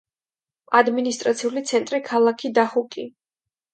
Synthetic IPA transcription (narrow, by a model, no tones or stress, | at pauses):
ad̪minist̪ʼɾat̪sʰiulit̪sʰɛnt̪ʼɾikʰalˠakʰid̪aχukʼi